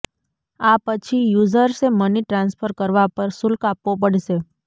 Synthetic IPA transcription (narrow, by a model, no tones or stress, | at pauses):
apət͡ʃʰijuzəɾseməniʈɾãnsfʰəɾkəɾʋapəɾsʊlkapʋop̬əɽʃe